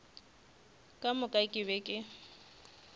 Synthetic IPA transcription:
kʼamʊkʼakʼɪbɛkʼɪ

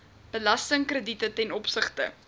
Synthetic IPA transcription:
b̥əlɐstəŋkrəditətɛnɔpsəχtə̰

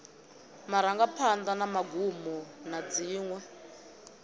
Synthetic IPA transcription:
maɾaŋɡapʰand̪anamaɡʱumɔnad͡ziːŋwɛ

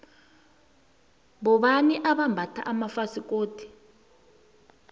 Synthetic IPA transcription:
βɔβaniʔaβambʱatʰa̰ʔamafasikʼoːti̥

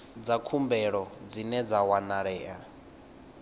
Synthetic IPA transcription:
d͡zakʰumbɛɺɔd͡zinɛd͡zawanaɺɛːa

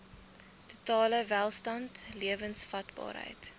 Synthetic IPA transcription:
tutɑːləvælˠstɐntliəvənsfɐtbɑ̰ːɾɦə̰jt

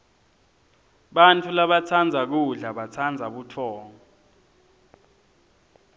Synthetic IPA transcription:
ɓantʰulaɓat͡sʰand͡zʱak̬uɮaɓat͡sʰand͡zʱaɓutʰɔːŋɔ

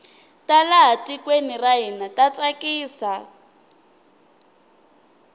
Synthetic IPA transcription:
talaɦatikweniraɦinatat͡sakiːsa

